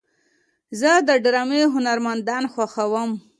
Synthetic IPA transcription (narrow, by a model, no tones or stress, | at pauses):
zəd̪əɖɾɑmeɦʊnaɾmand̪ɑnxwaxawəm